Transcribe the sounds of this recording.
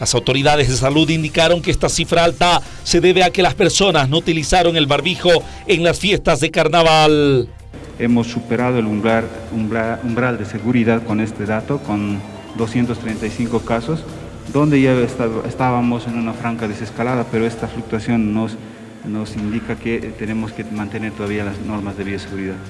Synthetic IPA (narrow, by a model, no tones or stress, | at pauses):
lasawt̪o̞ɾiðaðe̞zðesaluðind̪ikaɾo̞ŋkeest̪asifɾaalt̪a | se̞ðe̞βeake̞laspe̞ɾso̞nasnout̪ilisaɾoŋe̞lβaɾβixo̞ | eŋlasfje̞st̪azðekaɾnaβal | emo̞sːupeɾaðoel | umbɾald̪e̞se̞ɣuɾiðaðko̞ne̞st̪eðat̪okon | d̪osje̞nt̪ost̪ɾejnt̪ajsiŋko̞kaso̞s | d̪o̞nd̪eʝaest̪aest̪aβamo̞se̞nunafɾaŋkaðese̞skalaðape̞ɾoe̞st̪afluk̚t̪wasjo̞nːos | no̞sind̪ikaket̪ene̞moskemãnt̪e̞ne̞ɾt̪oðaβialasno̞ɾmazðe̞βioseɣuɾiðað